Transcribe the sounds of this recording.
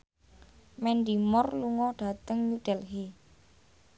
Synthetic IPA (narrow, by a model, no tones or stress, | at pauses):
mɛnɖimɔrluŋɔɖ̥a̤t̪əŋjud̥ɛlɦi